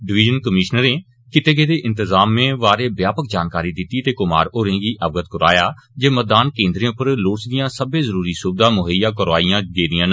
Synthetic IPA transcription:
ɖɪʋɪːd͡ʒənkəmɪʃnəɾẽː | kɪt̪eːɡeːd̪eːʔɪ̃nt̪əzaːmːẽːʋaːɾeːbjaːpək̚d͡ʒaːnkaːɾiːd̪ɪt̪ːiːt̪eːkʊma̰ːɾoːɾẽːɡiːʔəʋɡət̪kəɾa̰ːjaː | d͡ʒeːmət̪̚d̪aːnkẽːnd̪ɾẽːʊpəɾloːt͡ʃd̪ɪjãːsəbẽːzəɾuːɾiːsʊb̚d̪ãːmʊɦəjãːkəɾʋaːijãːɡeːd̪ijãːn

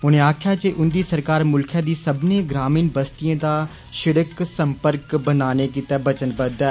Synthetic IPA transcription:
ʊnẽaːkʰjat͡ʃeʔʊnd̪isɐɾkaːɾmʊlkʰjad̪iːsɐbneɡɾaːmiːnbəst̪ijãd̪a | ʃɪɽəksɐ̃mpəɾkbənaːnekit̪abɐt͡ʃənbəd̪ɛː

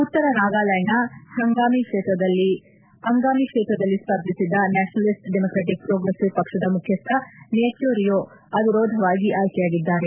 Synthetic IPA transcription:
ut̪ːɐɾɐnaːɡaːlɐjɐnɐhɐŋɡaːmikʂɛːt̪ɾɐd̪ɐlːi | ɐŋɡaːmikʂɛːt̪ɾɐd̪ɐlːispɐɾd̪ʱisid̪ːɐnaːʃɐnɐlisʈɖemoːkɾeːʈik̚pɾoːɡɾesiʋpɐkʂɐd̪ɐmukʰjɐst̪ʰːɐneɐt͡ʃjoːɾijoː | ɐd̪iɾoːd̪ʱɐʋaːɡiʔaːjkɛjaːɡid̪ːaːɾe

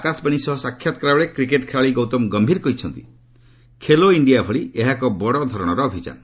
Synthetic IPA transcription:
akasbaɽ̃isɔɦɔsakʰːjat̪ɔ̥kɾaɭekɾikeʈkʰeɭaɭiɡɔwt̪ɔmɡɔmbʱiɾkɔɦit͡ʃʰɔnt̪i | kʰeloiɳɖijabʱɔɭieɦakɔbɔɽɔd̪ʱɔɾɔɽ̃ɔɾɔːbʱit͡ʃa̰nɔ

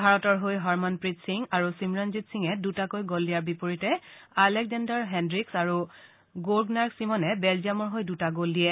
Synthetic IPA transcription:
bʱaɹɔtɔɹɦojɦɔɹmanpɹitsiŋaɹusimɹanzitsiŋɛdutakojɡolːijaɹbipoɹitɛalɛk̚zandaɹɦɛndɹiksaɹu | ɡoɹɡnaɹksimɔnɛbɛlzijamɔɹɦojdutaɡoldiɛ

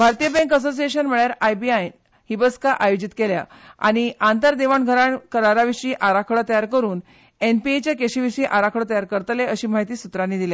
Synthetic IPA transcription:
bʱaɾt̪ijəbɛ̃ŋkəs̬osijeɕənm̤əɭjaɾajbiaj | hibət͡skaʔajod͡ʑit̪kelja̰ | a̰ɽ̃iant̪əɾd̪eʋəɳɡʱəɾaɳkəɾaɾaʋiʂiːʔaɾakʰɭət̪əjaɾkəɾuːn | enpiet͡ɕjakeɕiːʋiʂiːʔaɾakʰɭət̪əjaɾkəɾt̪leəɕiːmaɦit̪iːsut̪ɾanːiːd̪ile

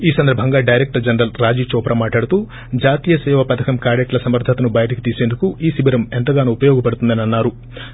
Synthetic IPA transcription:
iːsɐnd̪ɐɾbʱɐŋɡaːɖɐjɾek̚ʈɐɾd͡ʒɐnɾɐlɾaːd͡ʒiːt͡ʃɔːpɐɾɐmaːʈlaːɽut̪uː | d͡ʒaːt̪iːjɐsɛːʋɐpɐd̪ʰɐkɐmkaːɽeʈlɐsɐmɐɾd̪ʱːɐt̪ɐnubɐjɐʈɐki̥t̪iːse̞ːnd̪ukuʔiːsibiɾɐment̪ɐɡaːnuupɐjɔːɡɐpɐɽut̪und̪ɐniɐnːaːɾu

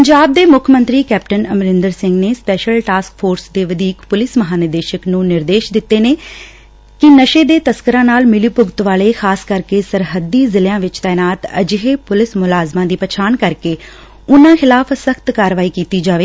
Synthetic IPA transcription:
pəɲd͡ʒaːb̚d̪eːmʊkʰmə̃nt̪ɾiːkɛːp̚ʈənəmɾɪ̃nd̪əɾsɪ̃ŋɡneːspɛːʃəlʈaːsk̚fʰoːɾsd̪eːʋəd̪iːkpʊlɪsməɦaːnɪd̪eːʃəknũːnɪɾd̪eːʃd̪ɪt̪ːeːneː | kɪnəʃeːd̪eːt̪əskəɾãːnaːlmɪlipʊɡt̪ʋaːleːxʰaːskəɾkeːsəɾɦəd̪ːiːzɪljãːʋɪt͡ʃt̪ɛːnaːt̪ə̰d͡ʒɦeːpʊlɪsmʊlaːzmãːd̪iːpət͡ʃʰaːnkəɾkeː | ʊnãːxɪlaːfʰsəkt̪kaːɾʋaːiːkiːt̪iːd͡ʒaːʋeː

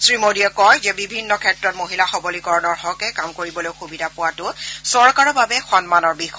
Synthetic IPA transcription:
sɹimodiɔkɔjzɛbibʱinːɔkʰɛtɹɔt̚moɦilaxɔbolikɔɹɔnɔɹɦɔkɛkamkoɹibɔlojxubidʱapʊwatʊsɔɹkaɹɔbabɛxɔnmanɔɹbix

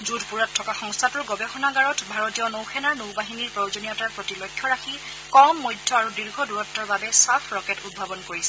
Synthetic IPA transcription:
zudʱpuɹatʰːɔkaxɔŋstʰatʊɹɡɔbɛxɔnaɡaɹɔtbʱaɹɔtijɔnowxʰɛnaɹnowbaɦiniɹpɹowzonijɔtaɹpɹotilɔkʰjɔɹaxi | kɔmːɔjdʱːɔaɹudiɹɡʱɔduɹɔtːɔɹbabɛsapʰɹɔkɛtud̚bʱabɔnkoɹisɛ

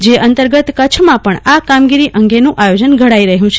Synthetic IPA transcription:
d͡ʒeʔənt̪əɾɡət̪kət͡ʃʰmãpəɳakamɡiɾiʔəŋɡenũʔajod͡ʒənɡʱəɽaiɾəɦjũt͡ʃʰe

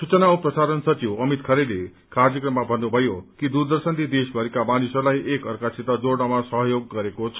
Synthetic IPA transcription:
sut͡sʌnaoprʌsaɾʌnsʌt͡siwʌmit̪kʰʌɾele | kard͡zʌkrʌmːabʱʌnːubʱʌjokid̪urd̪ʌrsʌnlid̪esbʱʌɾikamanisʌrlajʔekʌrkasʰit̪ʌd͡zoɽnʌmasʌɦʌjoɡːʌɾekot͡sʰ

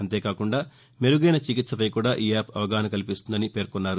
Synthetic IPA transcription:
ɐnt̪e̞ːkaːkuɳɖaː | meɾuɡɐjnɐt͡ʃikit̪sɐpɐjkuːɽaːʔiːaːpɐʋɐɡaːnɐkɐlipist̪und̪ɐnipe̞ːɾkunːaːɾu

